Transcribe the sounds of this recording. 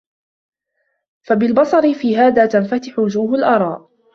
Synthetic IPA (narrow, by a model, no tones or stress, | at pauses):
fabɪlbɑsˤɑɾɪfiːɦaːðaːt̪amfat̪ɪħʊwʊd͡ʒuːhalʔɑːɾˤɑːʔ